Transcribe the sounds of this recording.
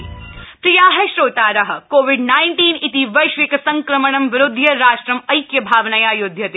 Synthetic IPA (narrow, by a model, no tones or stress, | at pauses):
pɾijaːɦɐʃɾoːt̪aːɾɐɦɐ̆koːʋiɖnaːɪɳʈiːnit̪iʋɐjʃʋikɐsɐŋkɾɐmɐɳɐmʋɪɾʊd̪ʱːjɐɾaːʃʈɾɐmɐjkjɐbʱaːʋnɐjaːjod̪ʱjɐt̪e